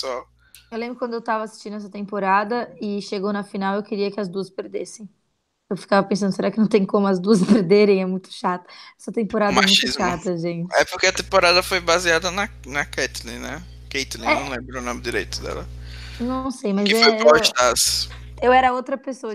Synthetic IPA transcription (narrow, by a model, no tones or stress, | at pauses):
pesuaw | ewlẽmbɾʊkwɐ̃nd̪ʊewt̪avɐːsi̥st͡ʃĩd̪ʊɛs̬ɐt̪ẽmpoɾad̪ɐɪʃeɡownɐfinawewkɪɾiɐkɪɐzd̪uɐspeɾd̪esẽj̃ | ewfi̥kavɐpẽsɐ̃nd̪ʊs̬eɾakɪnɐ̃w̃t̪ẽj̃kõmʊɐzd̪uɐspeɾd̪eɾẽj̃ɛmũj̃t̪ʊ̥ʃat̪ɐ̥ɛsɐt̪ẽmpoɾad̪mɛamũt̪ʊzʃat̪ɐʒẽt͡ʃɪɛpʊɾkeɐt̪ẽpoɾad̪ɐfojbaziad̪ɐnɐ | nɐkɛt̪lḭnɛ | kejt̪lĩnɐ̃w̃lẽmbɾʊʊnõmɪd͡ʒiɾḛjt̪ʊ̥d̪ɛ̰lɐnɐ̃w̃sejmɐzɛffojɔɾt͡ʃɪd̪ɐs | ewɛɾɐowt̪ɾɐpesoɐ